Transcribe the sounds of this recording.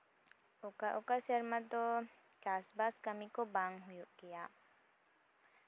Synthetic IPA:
okaʔokasəɾmãt̪o | t͡ʃaːsbaskəmikobaŋɡɦʊjuʔɡija

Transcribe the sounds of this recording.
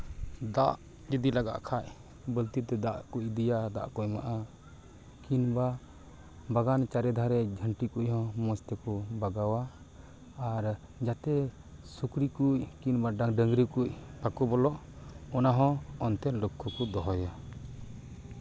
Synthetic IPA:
d̪aʔ | d͡ʒid̪ilaɡa̰ʔkʰaʔ | bəlt̪it̪ɛd̪aʔkuʔd̪ijad̪a̰ʔkujma̰ʔa | kinba | baɡant͡ʃaɾɛd̪ʱaɾɛd͡ʒʱəɳʈikuʔɦɔ̃mɔst̪ɛkɔbaɡawaː | ɾd͡ʒat̪ɛ | sukɾikuckinbaɖaŋɖəŋɡɾikuc̚pakɔbɔlɔʔ | ɔnaɦɔ̃ɔnt̪ɛlukʰːɔkɔd̪ɔɦɔja

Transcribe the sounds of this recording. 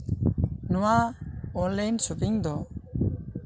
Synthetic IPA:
nɔwaɔnlɛjnsubiŋd̪ɔ

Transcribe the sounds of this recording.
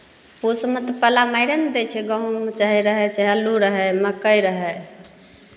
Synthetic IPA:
pusmət̪əpəlamajɾənd̪ɛt͡ʃʰɛɡə̃ɦũmet͡ʃaɦiɾəɦɛt͡ʃɛɦəluɾəɦɛməkəjɾəɦɛ

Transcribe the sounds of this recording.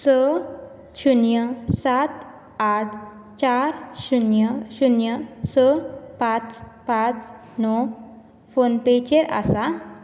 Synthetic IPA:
sə | ɕunjəsat̪ | aʈʰ | t͡ɕaɾɕunjəɕunjəsəpãt͡spãt͡s | nɔ | fonpet͡ɕeɾa̰sa

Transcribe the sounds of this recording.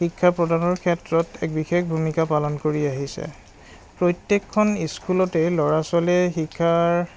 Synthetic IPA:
ikʰːapɹɔdanɔɹkʰɛtɹɔtɛk̚bixekbʱumikapalɔnkoɹiaɦisɛ̰ | pɹɔjtjekʰːɔniskulɔtɛlɔɹasɔlɛxikʰːaɹ

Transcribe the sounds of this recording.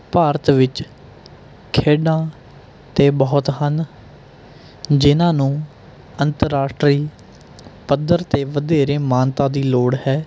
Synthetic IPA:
paːɾət̪ʋɪt͡ʃ | kʰeːɖãː | t̪eːbɔːt̪ɦən | d͡ʒɪnãːnũː | ənt̪əɾːaːsʈɾiː | pəd̪əɾt̪eːʋəd̪eːɾeːmaːnt̪ãːd̪iːloːɽɦɛː

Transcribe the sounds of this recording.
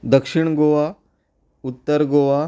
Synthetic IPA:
d̪əkʂiɳɡoʋa | ut̪ːəɾɡoʋa

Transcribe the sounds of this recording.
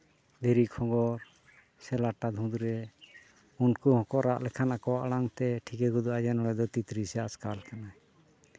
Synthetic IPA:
d̪eɾikʰɔ̃ɡɔɾ | sɛlaʈad̪ʱũd̪uɾɛ | unkuhɔ̃kɔʔɾaʔlɛkʰanakɔwaʔɽaŋt̪ɛʈʰikɛɡud̪uad͡ʒɛnɔlɛd̪ɔt̪it̪ɾisɛaaskalkana

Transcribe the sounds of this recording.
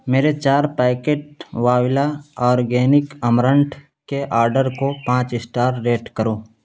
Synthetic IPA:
meːɾet͡ʃaːɾpaːkeːʈ̚ʋaːwɪlaɔːɾɡɛːnɪkəmɾə̃ɳʈʰ | keʔaːɾɖəɾkopãːt͡ʃɪsʈaːɾːeːʈkəɾoː

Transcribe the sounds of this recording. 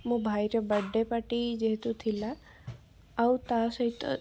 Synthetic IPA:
mũbʱajɾebəɖːepəʈid͡ʒeɦt̪ũt̪ʰilaː | ut̪asəɦit̪

